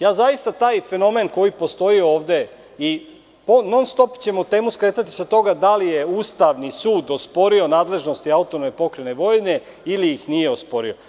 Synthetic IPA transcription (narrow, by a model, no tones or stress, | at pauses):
jaːzaist̪at̪aːjfe̞no̞me̞nko̞jipo̞st̪o̞io̞ːʋd̪e̞ | i | pono̞nst̪o̞pt͡ɕe̞mot̪e̞ːmuskɾe̞ːt̪at̪i̥sat̪o̞ɡad̪alije̞uːst̪aʋnisuːd̪ospo̞ɾio̞naːd̪le̞ʒnost̪iaut̪onomepo̞kɾene̞ʋo̞jne̞ | iliixnijeospo̞ɾio̞